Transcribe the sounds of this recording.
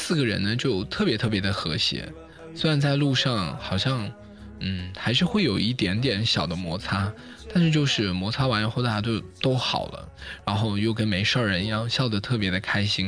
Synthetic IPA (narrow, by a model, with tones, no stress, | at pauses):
sɹ̩˥˩ɡə˩ɻə̰˧˥nnə˧t͡ɕjo˥˧ʊt̪ʰɤ˥˩pjɛ˧˥t̪ʰɤ˥˩p̬jɛ˧˥d̪ə˧xɤ˧˥ɕjɛ̰˧˥ | swe˥ɪɻa˧˥nt͡sa˥˧ɪlu˥˧ʂɑ˥˩ŋxɑ˨˩ʊɕjɑ˥˩ŋ | n̩˥˩xa˧˥ɪʂ̬ɻ̩˥˧xwe˥˩ɪjo˨˩ʊi˥˩t̪jɛ˧˥nt̪̬jɛ˧˥nɕjɑ˨˩ʊd̪ə˦mwɔ˧˥t͡sʰa˥ | t̪a˥˧nʂɻ̩˥˧t͡ɕjo˥˧ʊʂɻ̩˥˩mwɔ˧˥t͡sʰa˥wa˧˥nji˨˩xo˥˧ʊd̪a˥˩t͡ɕo˥˧˩ʊt̪o˥ʊxɑ̰˨˩ʊlə̰˦ɻa˧˥nxo˥˧ʊjo˥˩ʊk̬ə˥nme˧˥ɪʂɑ˥˩ɻə˧˥n˧jɑ˥˧ŋɕjɑ˥˩ʊd̪ə˨˩t̪ʰɤ˥˩pjɛ˧˥d̪ə˧kʰa˥ɪɕi˥ŋ